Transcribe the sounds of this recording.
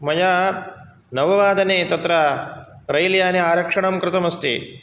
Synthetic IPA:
mɐja | nɐʋɐʋaːd̪ʱɐneːt̪ɐt̪ɾɐɾɐjljaːneaːɾɐkʂɐɳɐmkɾɪt̪ɐmɐst̪ḭ

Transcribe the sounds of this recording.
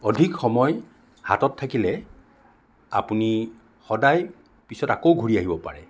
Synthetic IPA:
ɔdʱikxɔmɔj | ha̰tɔtʰːakilɛ | a̰puni | xɔdaj | pisɔtakowɡʱuɹiaɦibɔpa̰ɹɛ

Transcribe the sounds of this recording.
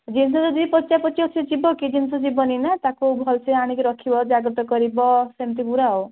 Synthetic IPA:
d͡ʒinsɔd͡ʒɔd̪iipɔt͡ʃapɔt͡ʃiɔt͡ʃʰiɔd͡ʒibɔkid͡ʒinsɔd͡ʒibɔninat̪akubʱɔlseaɽ̃ikiɾɔkʰibɔd͡ʒaɡɾɔt̪ɔkɔɾibɔsemt̪̬iɡuɾao

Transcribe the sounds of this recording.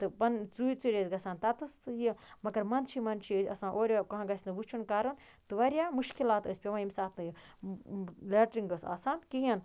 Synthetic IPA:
t̪ɨpɐnt͡suit͡siɾʲezɡɐsaːnt̪ɐt̪ɨst̪ɨjimɐɡɐɾmɐnt͡ʃʰimɐnt͡ʃʰiəsɐ̰sãːʔoːɾʲokɐɦãɡɐsʲnɨbut͡ʃʰunkaːɾɐn | t̪ɨʋɐɾʲjaːmuʃkilaːt̪əsʲpʲeʋãːimsaːt̪ʰnɨji | lʲeːʈɾiŋɡɐsɐ̰ːsaːnkiɦɐn

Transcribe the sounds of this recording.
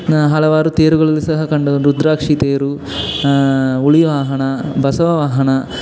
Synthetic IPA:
ɦɐlɐʋaːɾut̪eːɾuɡɐɭɐlːisɐɦɐkɐɳɖɐɾud̪ɾaːkʂit̪eːɾu | uɭiʋaːɦɐɳɐbʱɐsɐʋɐʋaːɦɐɳɐ

